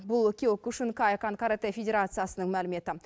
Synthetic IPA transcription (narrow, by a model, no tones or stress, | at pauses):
bʊlˠɵkʲewkʲʊʃɪnkʰɑekɑnkʰaɾat̪ejfʲedʲe̞ɾat̪sɨjasənəŋmælɪme̞t̪ɪ